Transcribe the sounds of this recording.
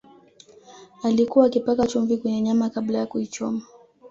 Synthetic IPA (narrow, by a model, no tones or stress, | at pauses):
alikuwaːkipakat͡ʃuɱvikwɛɲɛɲamakablajakuit͡ʃɔma